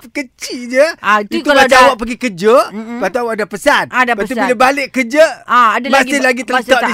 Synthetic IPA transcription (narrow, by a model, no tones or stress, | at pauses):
kət͡ʃid͡ʒət̪umat͡ʃaawaʔpəɡikəd͡ʒəbat̪uawaʔdapəsanadapat̪ubilebalɪʔkəd͡ʒəaadamasɪhlaɡit̪ət̪aʔdi